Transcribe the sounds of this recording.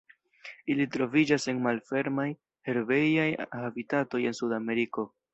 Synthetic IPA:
ilitɾo̞vid͡ʒase̞nmalfe̞ɾmaj | he̞ɾve̞jajhavitato̞je̞nsudame̞ɾiko̞

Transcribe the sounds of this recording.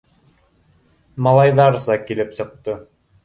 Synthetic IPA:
mɑlˠɑjðɑɾsɑkilɘpsɤ̆q̚t̪ɤ

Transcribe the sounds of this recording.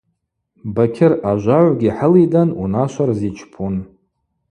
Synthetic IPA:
bakʲʰɪraʒʷaʕʷɡʲiħəlidanunaʃʷarzit͡ʃʰpʰun

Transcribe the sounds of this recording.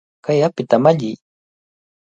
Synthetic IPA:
kajapɪt̪amaʎɪj

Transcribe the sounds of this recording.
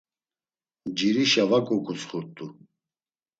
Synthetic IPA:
d͡ʒiɾiʃavakʼɔkʰʼɔsχuɾt̪ʼu

